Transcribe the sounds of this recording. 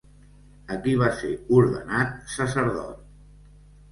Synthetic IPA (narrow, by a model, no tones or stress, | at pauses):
əkiβ̞aseuɾðənat̪̚səsəɾðɔ̰t̪̚